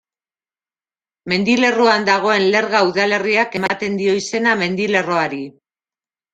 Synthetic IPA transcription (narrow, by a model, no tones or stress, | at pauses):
me̞nd̪ile̞roand̪aɣ̞o̞e̞nle̞ɾɣauðale̞riake̞mat̪e̞nd̪io̞ise̞name̞nd̪ile̞ro̞aɾi